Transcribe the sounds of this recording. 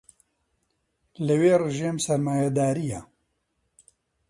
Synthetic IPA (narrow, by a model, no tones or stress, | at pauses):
lɐweːrɨʒeːmsɐɾmaːjad̪aːɾija